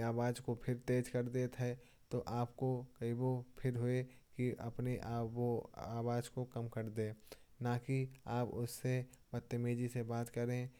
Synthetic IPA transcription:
aːbaːd͡ʒkopʰɪɾt̪eːd͡ʒkɐɾd̪et̪ʰɛ | t̪oʔaːpkokɐibopʰɪɾɦoe | kiɐ̰pneʔoaːwaːd͡ʒkokɐmkɐɾd̪eː | nakiaːpʊsːe | bɐt̪ːemeːd͡ʒisebaːt̪kɐɾẽ

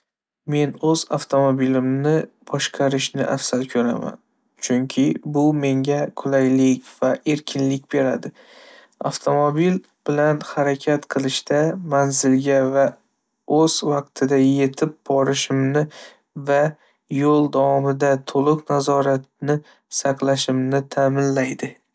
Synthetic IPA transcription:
me̞nɵza̰ft̪ʰo̞mobilɪmnɪb̥ɒʃqʰɑɾɪʃnɪ̰ʔa̰fsalkʲʰɵɾa̰ma̰n | t͡ʃʰʊŋkʲʰɪbʊme̞ŋɡʲaqʰʊlajlɪkʲvaʔe̞ɾkʲʰɪnlɪkʲbe̞ɾad̪ɪ | a̰ft̪ʰo̞mobil | b̥ɪlanhaɾakʲʰat̪qʰɨlˠɪʃt̪amanzɪlɡʲava | ɵzvɑq̚t̪ʰɪd̪aje̞t̪ʰɪp̚bɒɾɪʃɪmnɪ | va | jolˠd̪awɒmɪd̪at̪ʰolˠɨqnazɒɾat̪̚nɪ | sɑqlˠaʃɪmnɪt̪ʰamɪnlajd̪ɪ

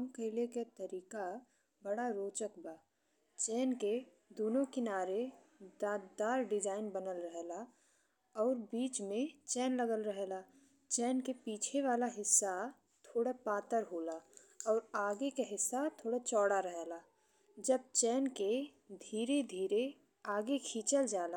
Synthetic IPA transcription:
əmkeleket̪əɾiːka | bəɽaɾoːt͡ʃəkbaː | t͡ʃɛːnke | d̪oːnõkɪnaːɾe | d̪aːd̪d̪aːɾɖɪd͡ʒaːɪnbənəlɾəɦɛla | ɔːɾbiːt͡ʃmẽt͡ʃɛːnləɡəlɾəɦelaː | t͡ʃɛːnkepiːt͡ʃʰeʋaːlaɦɪsːa | t̪ʰoːɽapaːt̪əɾɦoːla | ɔːɾaːɡekaɦɪsːat̪ʰoːɽat͡ʃɔːɽaɾəɦɛlaː | d͡ʒəb̚t͡ʃɛːnke | d̪ʱiːɾed̪ʱiːɾe | aːɡekʰiːt͡ʃəld͡ʒaːlaː

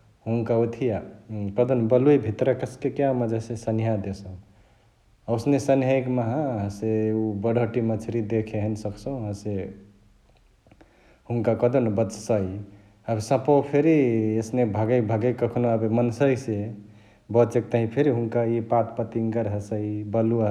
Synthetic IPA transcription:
ɦuŋkaot̪ʰijakəd̪ənbəlujbʱit̪ɾəkəskekjaməd͡ʒesesənijɦad̪esõ | wsnesənɦəjɡmaɦãɦseubəɽʱəʈimə̃t͡ʃʰiɾid̪ekʰeɦənsəkʰsõɦə̃se | huŋkakəd̪ənbət͡ʃsəj | əbsə̃popʰeɾiesnebʱəɡəbʱəɡejkəkʰnoabemənsəise | bət͡ʃek̚t̪aɦĩpʰeɾiɦuŋkaipat̪pət̪iŋɡəɾɦəsəibəlu

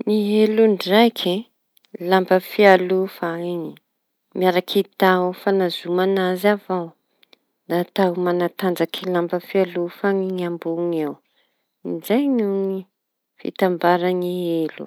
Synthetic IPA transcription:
niɦeluɳɖ͡ʐajkʰi | lambəfialufaiŋi | miaɾakʰit̪afanazumanazavaw | d̪at̪awmanat̪and͡zakʰilambəfialufaŋiŋiambuŋew | izajnuŋi | fḭt̪ambaɾanielṵ

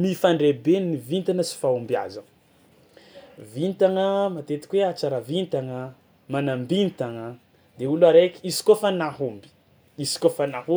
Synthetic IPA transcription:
mifaɳɖ͡ʐebennːivint̪anəsi̥faumbia̰zan | vint̪aŋəmat̪et̪i̥kʲweat͡saɾavint̪aŋə | manambint̪aŋə | d̪euluaɾekʲiisi̥kofanaɦumbi̥ | isi̥kofanahu

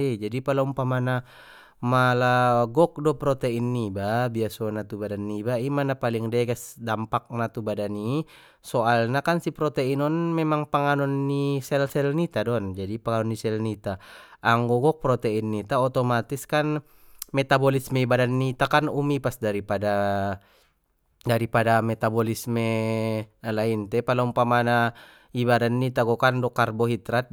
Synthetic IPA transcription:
id͡ʒadipalaumpamana | malaɡɔk̚dɔpɾɔt̪ɛinːibabiasɔnat̪ubadanːibaimanapaliŋdɛɡɛsdampak̚nat̪ubadani | sɔalnakansipɾɔt̪ɛinɔnmɛmaŋpaŋanɔnːisɛlsɛlnit̪adɔnd͡ʒadipaŋanɔnːisɛlnit̪aːŋɡɔɡɔk̚pɾɔt̪ɛinːit̪aɔt̪ɔmat̪iskan | mɛt̪abɔlismɛibadanːit̪akanumipasdaɾipada | daɾipadamɛt̪abɔlismɛ | laint̪ɛpalaumpamana | ibadanːit̪aɡɔkandɔkarbɔɦit̪ɾat̪̚

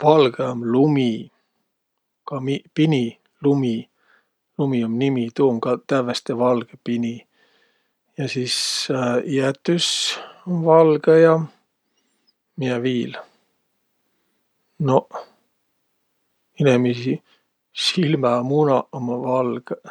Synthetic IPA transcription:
vɑlɡ̥eomlumi | kɑmipinʲi | lumi | lumiomnimit̪uːmkɑt̪ævest̪evɑlɡ̥epinʲi | jɑsiːs | iæt̪ːys | vɑlɡ̥ejɑ | miɛviːl | no | inemisi | silmɑmunɑomɑvɑlɡ̥

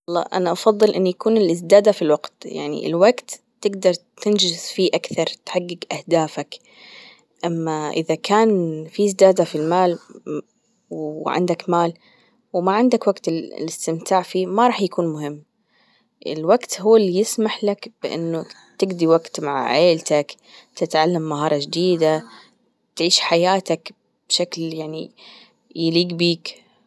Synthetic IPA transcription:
ɑlˤːɑ̰ːʔa̰naʔɑfɑðˤːɨlʔɪnːjakuːnɪlɪzd̪aːd̪afilwaɡt̪ja̰ʕnḭɪ̰lwaɡt̪ːɪɡd̪ɑɾˤt̪ɪnd͡ʒɪzfiːʔakθɑɾˤt̪ħaɡːɪɡʔahd̪aːfak | ʔamːaʔɪ̰ðakʰaːnfizd̪aːd̪afilmaːl | wʕɪ̰nd̪akmaːl | wmaʕɪnd̪akwaɡt̪ɪ̰lɪst̪ɪmt̪aːʕfiːmaɾˤɑːħjakuːnmʊhɪmː | ʔɪ̰lwaɡt̪huːalːijɪsmaħlakb̥ɪʔɪ̰nːʊ | t̪ɪɡd̪iwaɡt̪maʕʕeːlt̪ak | t̪ɪt̪ʕalːamːaɦɑːɾˤɑʒd̪iːd̪a | t̪ʕiːʃħajaːt̪ak | b̥ʃakljaʕnḭ | jɪliːɡbiːk

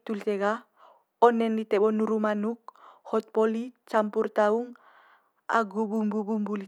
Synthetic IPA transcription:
tulteɡa | ɔnɛnlitɛɓɔnuɾumanuk̚hɔt̪̚polit͡ʃampuɾt̪auŋ | a̰ɡubumbubumbuli

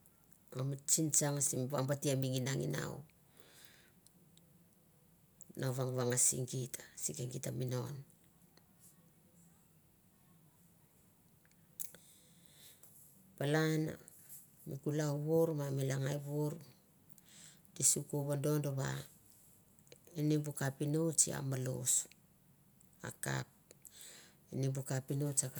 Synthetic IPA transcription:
omit͡ʃint͡ʃaŋasimβaŋbatiamiŋinaŋḭna̰w̰ | naβaŋβaŋasḭŋɡitʰḁsikeŋɡitamino̞n | palana̰ | mikulauβuɾmamilaŋajβuɾ | disukuβando̞ndoβa̰ | enimbukapinut͡ʃia̰malo̰s | a̰ka̰p̚ | enimbukapinot͡ʃaka

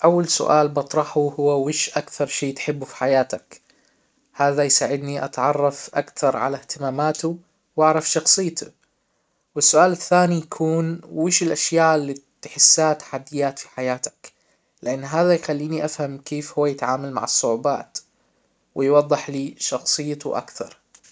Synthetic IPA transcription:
ʔawːalsʊ̰ʔaːlbɑt̪ˤɾˤɑħuhʊwːawɪːʃʔakθɑɾˤʃiːt̪ħɪbːufi̥ħajaːt̪ak | haːðajsaːʕɪd̪niʔɑ̰t̪ʕɑrˤːɑfʔa̰kθɑɾˤʕa̰laht̪ɪmaːmaːt̪u | wʔɑʕɾˤɑfʃɑxsˤɨjːt̪u | wɪsːʊʔaːlɪθːaːnijakʰuːnwɪːʃɪlʔaʃjaːʔɪlːiːt̪ħɪsːaːt̪ḁħad̪ːɪjːaːt̪fi̥ħajaːt̪ḁk | lɪʔanːɦaːðajxalːiːniʔafhamkeːfhʊwːajɪt̪ʕaːmalma̰ʕɑsˤːʊʕuba̰ːt̪ | wɪjwɑd̪ˤːɨħliːʃɑxsˤɨjːt̪ṵʔa̰kθɑ̰ɾˤ

